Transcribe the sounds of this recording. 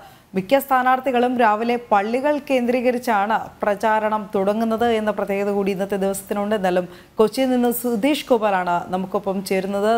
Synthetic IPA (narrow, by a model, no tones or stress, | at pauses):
mikʲjɐst̪ʰaːnaːrt̪iɣɐɭumɾaːʋile̞pɐɭːiɣɐɭke̞ːnd̪riːɣɐɾit͡ɕːaːɳɨprɐt͡ɕaːɾɐɳɐmt̪uɽɐŋːunːɐðɨe̞nːɐprɐt̪je̞ːɣɐðɐkuːɽiunːɐt̪ːed̪iʋɐsɐt̪ːinuɳɖɨnːɐlːum | kot͡ɕːilninːɨsud̪iːʂkoːbɐːlaːɳɨnɐmukːo̞pːɐmt͡ɕe̞ːɾunːɐðɨ